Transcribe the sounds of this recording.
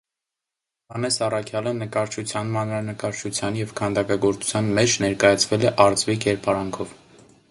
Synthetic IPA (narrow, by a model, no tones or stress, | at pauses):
hɑnɛsɑrɑkʰjɑlənəkɑɾt͡ʃʰut͡sʰjɑnmɑnɾɑnəkɑɾt͡ʃʰut͡sʰjɑnjɛvkʰɑnd̪ɑkɑɡɔɾt͡sʰu̥t͡sʰjɑnmɛt͡ʃʰnɛɾkɑjɑt͡sʰvɛlɛʔɑɾt͡svikɛɾpɑɾɑŋkʰɔv